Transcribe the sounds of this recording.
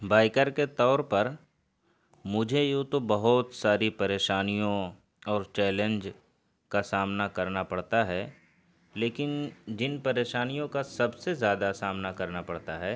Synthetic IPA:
baːɪkəɾket̪ɔːɾpɐɾ | mʊd͡ʒʱejũːt̪obɐɦʊt̪saːɾipɐɾeːʃaːnijõ | ɔːɾt͡ʃɛːlə̃nd͡ʒ | kasaːmnakɐɾnapɐɽt̪aɦɛː | leːkɪnd͡ʒɪnpɐɾeːʃaːnijõkasɐbsezjaːd̪asaːmnakɐɾnapɐɽt̪aɦɛː

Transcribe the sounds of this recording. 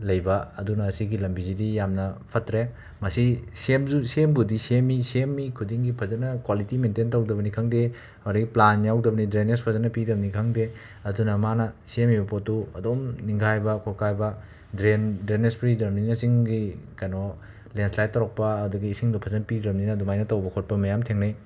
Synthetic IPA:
lɐjbɐɐdunɐːsiɡilɐmbizidijamnɐpʰɐtɾe | mɐsisemzusembudisemisemːikʰudiŋɡipʰɐzɐnɐkwalitimententɐwdɐbɐnikʰɐŋde | ɾɐɡiplanjawdɐbɐnidɾenespʰɐzɐnɐpidɐbɐnikʰɐŋde | ɐdunɐmanɐsemibɐpotːuɐdomniŋɡajbɐkʰokajbɐ | dɾendɾenespɾidɾɐmninɐsiŋɡikajnɔ | lenslajtːɐɾɔk̚pɐːduɡiːsiŋdupʰɐzɐnɐpidɾɐmninɐdumajnɐtɐwbɐkʰot̚pɐmɐjamtʰeŋnij

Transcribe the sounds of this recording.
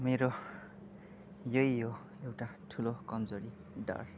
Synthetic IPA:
meɾo | jʌjjo | ewʈaʈʰulokʌmd͡zoɾi | ɖʌ̰r

